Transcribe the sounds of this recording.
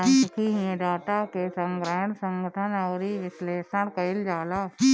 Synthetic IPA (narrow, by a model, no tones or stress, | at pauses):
ɪkʰiɦĩẽɖaːʈ̪akesə̃ŋɡɾəːɦnsə̃ŋɡəʈ̪ʰənɔːɾiʋɪsleːʃəɾkəɪld͡ʒaːla